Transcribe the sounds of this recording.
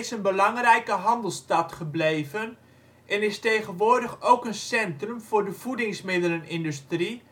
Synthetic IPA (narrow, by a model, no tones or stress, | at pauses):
sənbəlɑŋrɛjkəɦɑndəl̩ˠstɑtχəbleːvən | ʔɛnɪstejχənʋʊːrdəχowkənsɛntrʉmv̥ʊrdəv̥udɪŋsmɪdələnɪndystri